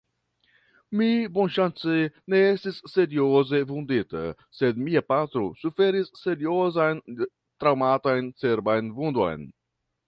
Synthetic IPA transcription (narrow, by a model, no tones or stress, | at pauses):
mibonʃant͡sene̞estisːe̞ɾioze̞vund̪ita̰ | se̞d̪miapat̪ɾo̰sufe̞ɾisːe̞ɾiozajn | t̪ɾawmatojnt͡se̞ɾbajnvundo̰jn